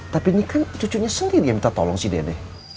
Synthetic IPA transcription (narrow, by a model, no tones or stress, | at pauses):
t̪apinikant͡ʃut͡ʃuʔɲasəndiɾijaŋbit̪at̪ɔlɔŋsidḛdɛh